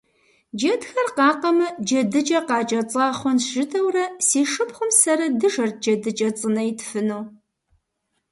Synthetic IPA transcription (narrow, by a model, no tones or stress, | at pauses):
d͡ʒɐdxɐrqɑːqɐmɨd͡ʒɐdɨd͡ʒʼɐqɑːt͡ʃʼɐt͡sʼɑːχʷɔnʒɨtʰɐwrɐsiːʂɨpχʷʊmsɐɾɐdɨʒɐrt̚d͡ʒɐdɨt͡ʃʼɐt͡sʼɨnɐjɪtʰfɨnuw